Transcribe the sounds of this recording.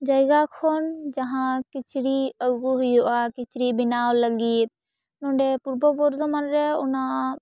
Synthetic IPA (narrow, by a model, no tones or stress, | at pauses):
d͡ʒajɡakʰɔnd͡ʒaɦãkit͡ʃɽiəɡuɦujuʔakit͡ʃɾibinawləɡit̪̚ | nɔɳɖɛpuɾbɔbɔɾzɔmanɾɛṵna